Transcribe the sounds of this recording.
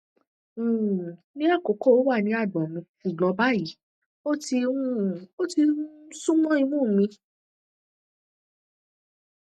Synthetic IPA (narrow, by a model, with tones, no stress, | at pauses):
nĩ˦a˦˨ko˨˦kɔ˦˨o˨˦wa˦˨nĩ˧˦a˦˨dɔ̃˨mĩ˧fu˨ɡ͡bɔ̃˨˧˦ba˦˨ji˨˦ | o˦ti˧ũ˦˨o˦tĩ˧˦sũ˦mɔ̃˦ĩ˧mũ˦˨mĩ˧